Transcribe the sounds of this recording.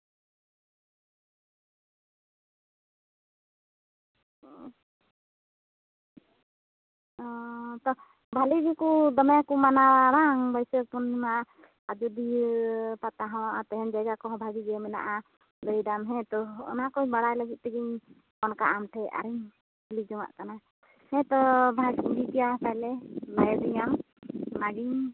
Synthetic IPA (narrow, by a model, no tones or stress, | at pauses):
t̪ɔ | bʱaliɡikɔd̪ɔmɛkɔmanawaɾaŋbɔjsɛpɔnːima | ad͡ʒud̪ipat̪aɦɔ̃aɾt̪ɛɦɛnd͡ʒajɡakɔɦɔ̃bʱaɡid͡ʒɛmɛna̰ʔa | d̪əjdamɦɛ̃t̪ɔɔ̰nakɔjbaɽajlaɡit̪̚t̪ɛɡiɲ | ɔnkaʔamtʰɛʔa̰ɾiɲ | lid͡ʒɔŋa̰ʔkana | hɛ̃t̪ɔbʱaskudit̪ijat̪aɛlɛlajɔd̪iɲamː | aɡiɲ